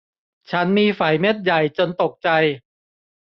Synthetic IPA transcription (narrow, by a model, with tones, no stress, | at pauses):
t͡ɕʰa˦˥nmiː˧faː˩˦jme˦˥t̪̚ja˨˩jt͡ɕo˧nt̪o˨˩k̚t͡ɕa˧j